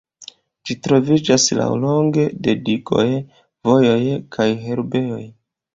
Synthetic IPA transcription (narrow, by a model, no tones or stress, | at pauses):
d͡ʒitɾo̞vid͡ʒasla̰wlo̞ŋɡe̞de̞diɡo̞̰j | vo̞jo̞jkʰajɦe̞ɾbe̞o̞j